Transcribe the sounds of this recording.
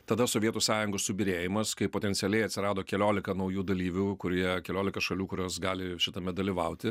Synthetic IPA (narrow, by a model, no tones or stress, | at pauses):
t̪ɐd̪ɐsoːʋʲiɛt̪uːsɑːjʊŋɡoːssʊbʲɪɾʲeːjɪmɐskɐɪpoːt̪ʲɛnʲtsʲɪɛlʲɛɪɐt̪ʲsʲɪɾɑːd̪oːkʲɛlʲoːlʲɪkɐnɐʊjuːd̪ɐlʲiːʋʲukʊɾʲɛkʲɛlʲoːlʲɪkɐʃɐlʲuːkʊɾʲoːsɡɑːlʲɪʃʲɪt̪ɐmʲɛd̪ɐlʲiʋɐʊt̪ʲɪ